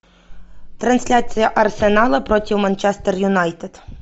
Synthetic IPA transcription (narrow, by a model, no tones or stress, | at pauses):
t̪ɾɐnsʲlʲat͡sʲijɐʔɐrsenɑlˠɐpɾɔtʲiwmɐnt͡ʃɛst̪erjʊnɑjt̪ed̪̥